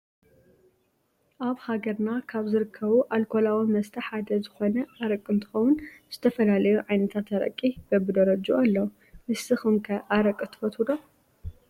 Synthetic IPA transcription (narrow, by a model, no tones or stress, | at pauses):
ʔaβhaɡɐɾnakʰaβzɨɾɨkʰːɐβuʔalkʰolawimɐst̪ʰɐħad̪ɐzɨxo̞nɐʔaɾɐkʼːɨnt̪ʰɨ̥xɐwʊnz̥ɨt̪ʰɐfɐlalɐjuʕajnɐt̪ʰat̪ɐɾɐ̰kʼːib̥ɐbɨd̪ɐɾɐd͡ʒuʔalːɐw | mɨsɨxɨmkʰɐʔaɾɐkʼːɨt̪ʰɨ̥fɐt̪ʰud̪o